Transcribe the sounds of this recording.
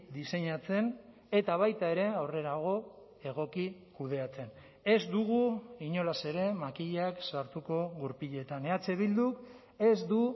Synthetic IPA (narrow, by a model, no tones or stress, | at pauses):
d̪ise̞ɲat͡se̞n | e̞t̪aβ̞ajt̪ae̞ɾe̞awre̞ɾaɣ̞o̞ | e̞ɣ̞o̞kikuð̞e̞at͡se̞n | e̞zd̪uɣ̞uiɲo̞lase̞ɾe̞makiʎaksaɾt̪uko̞ɣuɾpiʎe̞t̪ane̞at͡se̞βild̪uk | e̞zd̪u